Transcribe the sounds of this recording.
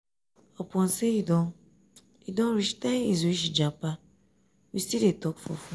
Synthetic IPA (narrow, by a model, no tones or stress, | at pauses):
ɔpɔ̃nseidɔ | idõnɾit͡ʃtãmiz̬iʃid͡ʒapa | wistidetɔkfɔ̰fũ